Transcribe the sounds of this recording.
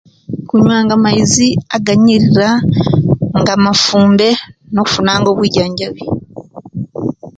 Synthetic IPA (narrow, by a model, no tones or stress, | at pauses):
kuɲwaːŋɡamajiziaɡaɲiɾiɾa | ŋɡamafuːmbe̞no̞ku̥funaːŋɡo̞ːβwiːɟaːɲɟaβi